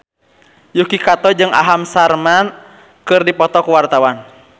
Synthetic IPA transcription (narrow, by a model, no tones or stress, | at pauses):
jukikat̪ɔd͡ʒɨŋʔa̰ɦamsarman | kɨrdipɔt̪ɔkuwart̪awan